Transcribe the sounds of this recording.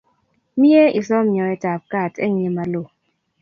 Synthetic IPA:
mi˦e˦i˨sɔ˦mɲɔ˨ɛ˦ta˨p̚ka˦˨tɛ̰˦˨ŋ˦e˨ma˨lo˨

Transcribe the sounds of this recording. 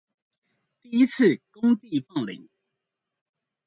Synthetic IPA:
t̪i˥˩i˦t͡s̩ʰ˥˨kʊ˦ŋt̪i˥˨fɑ˥˨ŋlḭ˨˦ŋ

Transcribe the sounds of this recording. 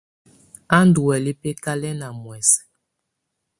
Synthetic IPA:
a˦n˦du˨wɛ˨li˦pe˦ka˦lɛ˦na˨mwɛ˨s

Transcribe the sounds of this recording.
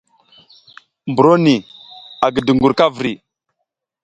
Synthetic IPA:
mbu˨ɾo˦ni˨a˨ɡə˨də˨ŋɡu˨ɾka˦vɾi˨

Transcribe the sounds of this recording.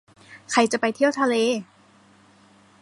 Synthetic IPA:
kʰa˧˩jt͡ɕa˨˩pa˧jt̪ʰi˥˩əwt̪ʰa˧leː˧

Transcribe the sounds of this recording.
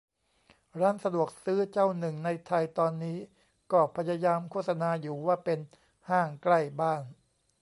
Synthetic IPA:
ɾaː˦˥˩nsa˧du˨˩ək̚sɯː˦˥t͡ɕa˥˩wnɯ˨˩ŋna˧jt̪ʰa˧jt̪ɔː˧nːiː˦˥ | kɔː˥˩pʰa˧jaː˧jaː˧mkʰu˥˩t̪̚sa˧naː˧juː˨˩waː˥˩pe˧n | haː˥˩ŋkla˥˩jbaː˥˩ŋ

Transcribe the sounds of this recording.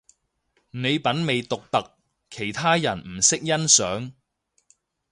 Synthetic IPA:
ne˨˧jpɐ˨˥nme˨jt̪ʊ˨k̚t̪ɐ˨k̚ | kʰe˨˩jt̪ʰaː˥jɐ˨˩nm̩˨˩sɪ˥k̚jɐ˥nsœː˨˥ŋ

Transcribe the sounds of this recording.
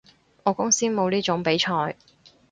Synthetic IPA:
ʔɔː˨˧kʊ˥ŋsiː˥nmo˨˧wliː˥t͡ʃʊ˨˥ŋpe˨˥jt͡ʃʰɔː˧j

